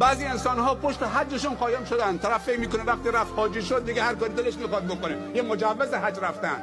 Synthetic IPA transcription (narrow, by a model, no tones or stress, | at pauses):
bæːziːensɔnhɔːpʰoʃt̪eɦad͡ʒːeʃunqɒːjemʃod̪ænd̪t̪ʰaɾafːekmiːkonevaqt̪iɾaft̪hɒːd͡ʒiʃod̪ːiɡehaɾkɔɾid̪eleʃkmixɔd̪̚bokone | jemod͡ʒavːezeɦad͡ʒɾaft̪ænd̪